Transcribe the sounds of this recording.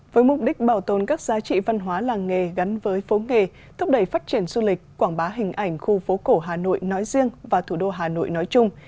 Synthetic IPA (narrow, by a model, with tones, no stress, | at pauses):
vəː˨˦jmʊ˨˩k͡p̚ɗï˦˥k̟̚ɓaː˧˩wt̪o˨˩nkaː˦˥k̚zaː˨˦t͡ɕḭ˧˨va˧nɦwaː˨˦laː˨˩ŋːe˨˩ɣa˨˦nvəː˨˦jfo˨˦ŋe˨˩ | t̪ʰʊ˦˥p̚ɗə˧˩jfaː˦˥t̚t͡ɕi˧˩ənzu˧lï˨˩k̟̚kːwaː˧˩ŋɓaː˨˦ɦï˨˩ŋ̟ʔa˧˩jŋ̟xu˧fo˨˦ko˧˩ɦaː˨˩no̰˧˨jnɔ˨˦jzi˧əŋvaː˨˩t̪ʰu˧˩ɗo˧ɦaː˨˩no̰˧˨jnɔ˨˦jt͡ɕʊ˧ŋ͡m